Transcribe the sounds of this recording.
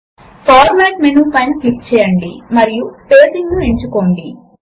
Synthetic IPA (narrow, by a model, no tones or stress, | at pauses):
paːɾmaːʈmenuːpɐjnɐklip̚t͡ʃɛːjɐɳɖimɐɾijuʈeːsiŋɡnueɲt͡ʃukoːɳɖi